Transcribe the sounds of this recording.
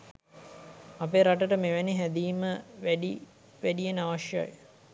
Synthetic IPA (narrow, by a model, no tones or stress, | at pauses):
apeɾaʈəʈəmeʋæniɦæd̪iːməʋæɖi | ʋæɖijenəaʋaʃja̰j